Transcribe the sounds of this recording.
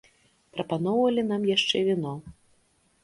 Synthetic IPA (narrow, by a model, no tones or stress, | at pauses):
pɾɐpanɔwvɐlʲinamjaʂt͡ʂɛvʲinɔ